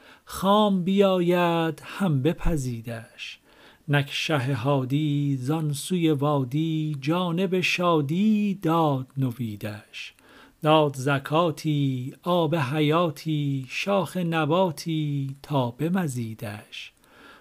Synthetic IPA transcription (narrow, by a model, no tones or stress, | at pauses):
xɑːmbijɒːjæd̪̥hæmbe̞pʰæziːd̪æʃ | nækʰʃæɦeɦɒːd̪iːzɒnsujevɒːd̪iːd͡ʒɒːne̞beʃɒːd̪iːd̪ɒːd̪̥noviːd̪æʃ | d̪̥ɒːd̪zækʰɑːt̪ʰiːɒːbeɦæjɒːt̪ʰiːʃɒːxe̞næbɒːt̪ʰiːt̪ʰɒːbe̞mæziːd̪æʃ